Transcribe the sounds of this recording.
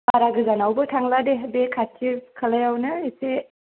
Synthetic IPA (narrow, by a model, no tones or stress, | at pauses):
aɾaɡɯzanawbɯtʰaŋladeɦbekʰatʰibkʰalajawnɯese